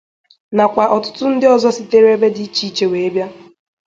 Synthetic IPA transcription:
na˨kʷa˨ʔɔ˨tʊ˦tʊ˦n̩˦dɪ˦ɔ˨zɔ˦sɪ˦˨te˦ɾe˦be˦dɪ˦i˦t͡ʃi˦t͡ʃe˨we˨e˦bja˦

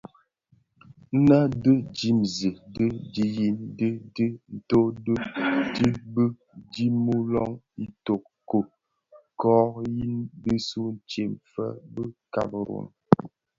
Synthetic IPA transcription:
na˦də˦d͡ʒi˦mzi˨də˦di˦ji˦ndə˦də˦n̩˨to˦də˦di˦bə˦ | d͡ʒi˦mu˦lɔ˦ŋ | i˦to˨k̚ | ko˨ | kɔ˦ji˦ndə˦su˦n̩˨t͡ʃe˨mfə̰˦bə˦ka̰˦bə˨ɾo̰˨n

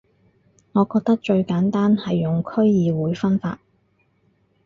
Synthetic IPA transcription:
ŋɔː˨˧kɔː˧k̚t̪ɐ˥k̚t͡ʃɵ˧ɥkaː˨˥nt̪aː˥nhɐ˨jːʊ˨ŋkʰɵ˥ɥjiː˨˧wuː˨˧jfɐ˥nfa̰ː˧t̚

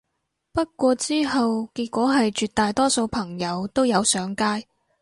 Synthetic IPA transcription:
pɐ˥t̚kʷɔː˧t͡siː˥ɦɐ˨wkiː˧t̚kʷɔː˨˥ɦɐ˨jt͡ʃyː˧t̪aː˨jt̪ɔː˥so˧wpʰɐ˨˩ŋjɐ˨˧wt̪o˥wjɐ˨˧wsœː˨˥ŋkaː˥j

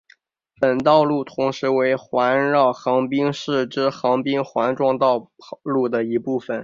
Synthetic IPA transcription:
pə˨˩nt̪ɑ˥˧ʊlu˥˩t̪ʰʊ˧˥ŋʂɻ̩˧˥we˧˥ɪxwa˧˥nɻɑ˥˩ʊxɑ˧˥ŋpi˥ŋʂɻ̩˥˩ʈ͡ʂɻ̩˥xɑ˧˥ŋpi˥ŋxwa˧˥nʈ͡ʂwɑ˥˧ŋt̪ɑ˥˧ʊlu˥˩d̪ə˩i˧˥pu˥˩fə˨˩n

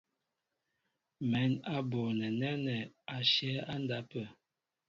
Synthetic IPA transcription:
mɛ˨˦na˦bo˨nɛ˨nɛ˦nɛ˨a˨ʃɛ˦a˦nda˦pə˨

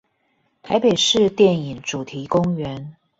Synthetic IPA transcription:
t̪ʰa˧˥ɪpe˨˩ɪʂɻ̩˥˨t̪jɛ˥˩ni˨˩ŋʈ͡ʂu˨˩t̪ʰi˨˦kʊ˥˦ŋɥɛ˨˦n

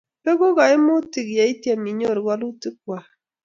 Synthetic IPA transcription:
ke˦ɡo˦ɣa˨i˦mo˦ti˨kja˨i˦tje˦˨mi˨ɲo˦˨ɾɡwa˦lu˦ti˦k̚wa˨

